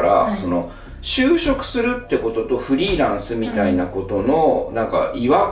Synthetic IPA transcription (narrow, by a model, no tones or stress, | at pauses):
ɾa̰so̞no̞ | ɕɨːɕo̞kɯ̟̥sɨɾɯ̟t̪ːe̞ko̞t̪o̞t̪o̞ɸɯ̟ɾʲiːɾãɰ̃sɨmʲit̪ainako̞t̪o̞no̞nãŋka̰ʔiβa